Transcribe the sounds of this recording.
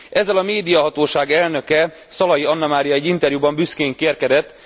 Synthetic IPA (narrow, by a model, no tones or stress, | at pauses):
ɛzːɛlɒmeːd̪ijɒɦɒt̪oːʃaːɡɛlnø̞kɛ | sɒlɒjiɒnːɒmaːɾijɒɛɟːint̪ɛrjubɒmbyskeːŋkeːrkɛd̪ɛt̪ː